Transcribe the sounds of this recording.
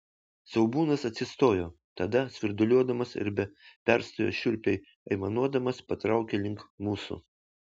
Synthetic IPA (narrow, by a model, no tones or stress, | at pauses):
sʲɛʊbuːnɐsɐt̪ʲsʲɪst̪oːjoː | t̪ɐd̪ɐsʲʋʲɪɾd̪ʊlʲuɔd̪ɐmɐsɪ̰ɾbʲɛpʲɛɾst̪oːjo̰ːʃʲʊɾʲpʲɛɪ | ɐɪmɐnuɔd̪ɐmɐspɐt̪ɾɑˑʊkʲelʲɪŋkmuːsṵ